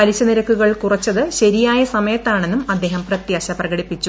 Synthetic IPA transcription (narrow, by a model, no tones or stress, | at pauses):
ɐliɕɐniɾɐkːuɣɐɭkurɐt͡ɕːɐðɨɕɐɾijaːjɐsɐmɐjɐt̪ːaːɳe̞nːumɐd̪ːe̞ːɦɐmprɐt̪jaːɕɐprɐɣɐɽipːit͡ɕːu